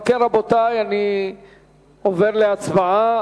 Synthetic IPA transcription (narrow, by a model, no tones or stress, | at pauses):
keʁabotajani | ove̞ʁleat͡svaa